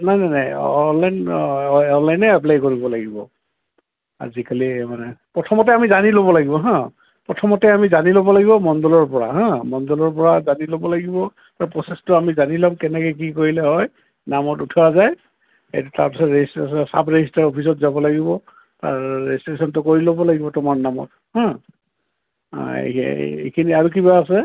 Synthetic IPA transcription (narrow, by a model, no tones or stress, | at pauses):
najnajnajɔnlajn | ɔnlajnɛaplajkoɹibɔlaɡibɔ̰ | a̰zikalimanɛpɹɔtʰɔmɔtɛamizaniloβɔlaɡibɔɦã | pɹɔtʰɔmɔtɛamizanilobɔlaɡibɔmɔndɔlɔɹpɔɹa̰ɦãmɔndɔlɔɹp̬ɔɹazanilobɔlaɡibɔ | taɹpɹɔsestʊamizanilamkɛnɛkɛk̬ikoɹilɛɦɔj | namɔtutʰɔazaj | ḛjtʊta̰ɹpisɔtɹesssa̰pʰɹeistaɹopʰisɔtzabɔlaɡibɔ | ta̰ɹɹɛ̰stɹesɔntʊkoɹilobɔlaɡibɔtʊmaɹnamɔ̰t | hã | ḛḛkʰiniaɹuk̬ibaːsɛ